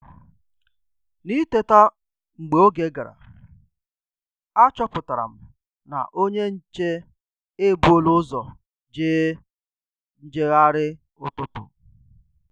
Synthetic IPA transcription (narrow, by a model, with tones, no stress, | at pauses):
ni˦te˦ta˦ | ŋ͡m̩˨ɡ͡be˨o˦ɡe˨˦ɡa˨ɾa̰˨ | a˦t͡ʃɔ˦pʊ˨ta˨ɾa̰˨m̩˨ | na̰˨ʔo˦ɲe˦n̩˦t͡ʃe˦ | e˦bu˨˦o˦lʊ˦zɔ˨ | d͡ʒeː˦ | n̩˦d͡ʒe˦ɣa˦ɾɪ˦ | ʊ˦tʊ˦tʊ̰˨